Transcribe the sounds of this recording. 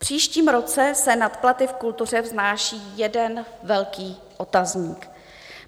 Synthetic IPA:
pr̝̥iːʃciːmɾo̞t͡sɛsɛnat̪plat̪ɪfkult̪ur̝ɛvznaːʃiːjɛdɛnvɛlkiː | ʔo̞t̪azɲiːk

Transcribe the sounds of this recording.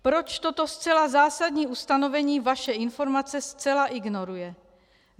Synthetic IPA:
pɾo̞t͡ʃt̪o̞t̪o̞st͡sɛlazaːsadɲiːʔust̪ano̞vɛɲiːvaʃɛɪnfo̞ɾmat͡sɛst͡sɛlaʔɪɡno̞ɾujɛ

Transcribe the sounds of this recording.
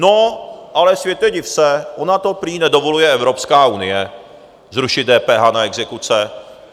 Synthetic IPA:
noʔalɛsvjɛt̪jɛɟɪfsɛʔonat̪opɾiːnɛdo̞volujɛɛvɾo̞pskaːunɪjɛ | zɾuʃɪdɛːpɛːɦaːnaɛɡzɛkut͡sɛ

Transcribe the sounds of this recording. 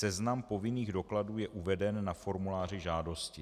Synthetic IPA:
sɛznampo̞vɪniːɣdo̞kladuːjɛʔuvɛdɛnːafo̞ɾmulaːr̝ɪʒaːdo̞scɪ

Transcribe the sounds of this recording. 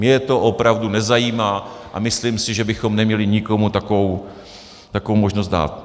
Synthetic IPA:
mɲɛt̪o̞ʔopɾavdunɛzajiːmaːʔa̰mɪslimsɪʒɛbɪxo̞mnɛmɲɛlɪɲɪko̞mut̪akovow | t̪akovowmo̞ʒnost̪da̰ːt̪̚

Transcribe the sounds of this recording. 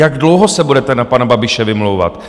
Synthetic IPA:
jaɡdlowɦosɛbudɛt̪ɛnapanababɪʃɛvɪmlowva̰t̪

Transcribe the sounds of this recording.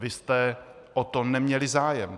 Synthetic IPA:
vɪst̪ɛʔot̪onɛmɲɛlɪzaːjɛm

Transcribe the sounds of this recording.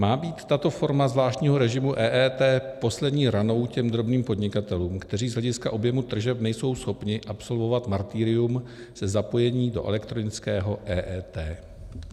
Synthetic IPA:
maːbiːt̪ːat̪o̞fo̞ɾmazvlaːʃtɲiːɦo̞ɾɛʒɪmuʔɛːʔɛːt̪ɛːpo̞slɛdɲiːɾano̞wcɛmd̪ɾo̞bniːmpo̞dɲɪkat̪ɛluːmkt̪ɛriːzɦlɛɟɪskaʔo̞bjɛmut̪r̩ʒɛpnɛjso̞wsxo̞pɲɪʔapso̞lvo̞vat̪maɾt̪iːɾɪjum | sɛzapo̞jɛɲiːdo̞ʔɛ̰lɛkt̪ɾonɪt͡skɛːɦo̞ʔɛːʔɛːt̪ɛː

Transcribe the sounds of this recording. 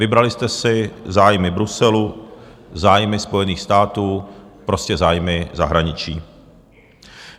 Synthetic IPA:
vɪbɾalɪst̪ɛsɪzaːjmɪbɾusɛlu | zaːjmɪspo̞jɛniːxst̪aːt̪uːpɾo̞scɛzaːjmɪzaɦɾaɲɪt͡ʃiː

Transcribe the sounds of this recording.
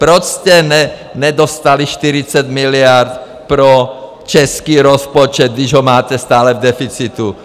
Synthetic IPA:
pɾɔscɛnɛɲɛd̪ɔst̪aliʃt̪iɾit͡saɟmilɪaɾt̪ | pɾɔ | t͡ʃɛskiːɾɔspɔt͡ʃɛd̪̚d̪iʒɦɔmaːcɛst̪aːlɛvd̪ɛfit͡sit̪u

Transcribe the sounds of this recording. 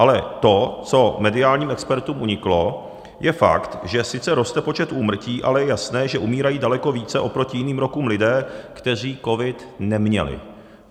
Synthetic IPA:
ʔalɛt̪o̞t͡so̞mɛdɪaːlɲiːmɛkspɛɾt̪uːmʔuɲɪklo̞ | jɛfa̰kt̪ʒɛsɪt͡sɛɾo̞st̪ɛpo̞t͡ʃɛt̪ʔuːmr̩ciːʔa̰lɛjɛjasnɛːʒɛʔumiːɾajiːdalɛko̞viːt͡sɛʔo̞pɾo̞cɪjɪniːmɾo̞kuːmlɪdɛːkt̪ɛr̝iːko̞vɪt̪nɛmɲɛ̰lɪ̰

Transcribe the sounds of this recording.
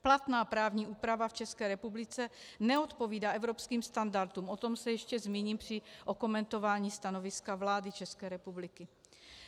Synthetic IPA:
plat̪naːpɾaːvɲiːʔuːpɾavaft͡ʃɛskɛːɾɛpublɪt͡sɛnɛot̪po̞viːdaːʔɛvɾo̞pskiːmst̪andaɾt̪uːmʔo̞t̪o̞msɛjɛʃcɛzmiːɲiːmpr̝̥ɪʔo̞ko̞mɛnt̪o̞vaːɲiːst̪ano̞vɪskavlaːdɪt͡ʃɛskɛːɾɛpublɪkɪ

